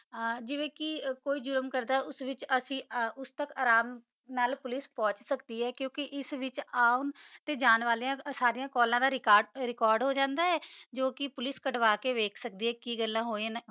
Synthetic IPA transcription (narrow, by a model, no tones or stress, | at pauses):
d͡ʒɪʋẽːkɪkoːiːd͡ʒʊɾəmkəɾd̪aːɛʊsʋɪt͡ʃəsĩːʊst̪əkaːɾaːm | naːlpʊlɪspɔ̃ːt͡ʃsəkd̪iːɦɛːkjõːkɪʔɪsʋɪt͡ʃaːʊnt̪eːd͡ʒaːnʋaːliːãːsaːɾijãːkɔːlãːd̪aːɾɪkaːɖɾɪkɔːɾɖɦoːd͡ʒãːnd̪aːɦɛːd͡ʒoːkɪpʊlɪskəʈʋaːkeːʋeːkʰsəkd̪iːɦɛːkiːɡəlːãːɦoːĩn